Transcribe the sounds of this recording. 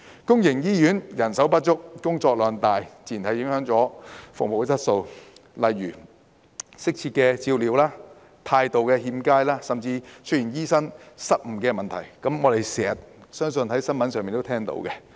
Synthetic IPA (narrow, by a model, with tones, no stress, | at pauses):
kʊ˥ŋjɪ˨˩ŋjiː˥jyː˨˥njɐ˨˩nsɐ˨˥wpɐ˥t̚t͡ʃʊ˥k̚kʊ˥ŋt͡sɔː˧k̚lœː˨˩ŋt̪aː˨jt͡siː˨˩nt̪ʰɐ˨˩jɪ˨˥ŋhœː˨˥ŋt͡sɔː˨˥fʊ˨ŋ̚mo˨˩wt͡sɐ˥t̚so˧wlɐ˨jːyː˨˩ | sɪ˥k̚t͡sʰiː˧t̚kɛ˧t͡siː˧wliː˨˧wlaː˥ | t̪ʰaː˧jt̪o˨wkɛː˧ɦiː˧mkaː˥jlaː˥sɐ˨mt͡siː˧t͡ʃʰɵ˥ji˨˩njiː˥sɐ˥ŋsɐ˥t̚m̩˨˩kɛː˧mɐ˨nt̪ʰɐ˨˩jkɐ˨˥mŋɔː˨˧t̪e˨jsɛː˨ɐ˨t̚sœː˥ŋsɵ˧nɦɐ˨˥jsɐ˥nmɐ˨˥nsœː˨miː˨nt̪o˥t̪ʰɛː˥ŋt̪o̰˧˥wkɛ˧